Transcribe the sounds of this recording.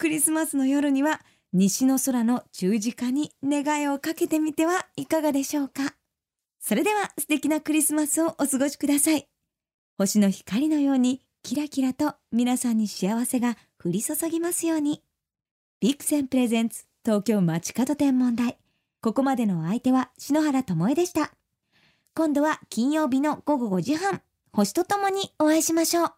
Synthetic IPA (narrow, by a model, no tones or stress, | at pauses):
kɯ̟ɾʲisɨmasɨno̞jo̞ɾɯ̟ɲ̟iβa | ɲ̟iɕino̞so̞ɾano̞d͡ʑɨːʑikaɲ̟ine̞ɡaeo̞kake̞t̪e̞mʲit̪e̞βaikaɡad̪e̞ɕo̞ːka | so̞ɾe̞d̪e̞βasɨ̥t̪e̞kʲinakɯ̟ɾʲisɨmasɨo̞ʔosɨɡo̞ɕi̥kɯ̟d̪asai | ho̞ɕino̞çi̥kaɾʲino̞jo̞ːɲ̟i | kʲiɾakʲiɾat̪o̞mʲinasãɲ̟ːiɕiaβase̞ɡa | ɸɯ̟ɾʲisosoɡʲimasɨjo̞ːɲ̟i | b̥ʲikːɯ̟̥sẽ̞mpɯ̟ɾe̞zẽ̞nt͡sɨ̥t̪o̞ːkʲo̞ːmat͡ɕi̥kat̪o̞t̪ẽ̞mːõ̞nd̪ai | ko̞ko̞mad̪e̞no̞ait̪e̞βaɕino̞ɦaɾat̪o̞mo̞ed̪e̞ɕi̥t̪a | kõ̞nd̪o̞β̞akʲĩɰ̃jo̞ːbʲino̞ɡ̥o̞ɡo̞ɡo̞ʑiɦãŋ | ho̞ɕi̥t̪o̞t̪o̞mo̞ɲ̟io̞βaiɕimaɕo̞ː